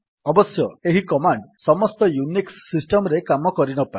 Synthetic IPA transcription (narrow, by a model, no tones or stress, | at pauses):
ɔbɔsjɔeɦikɔmaɳɖsɔmɔst̪ɔjuniksːisʈɔmɔɾekamɔkɔɾinɔpai